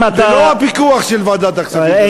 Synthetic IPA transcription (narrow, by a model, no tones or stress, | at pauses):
aeloapikuaχʃɛlvad̪at̪aksa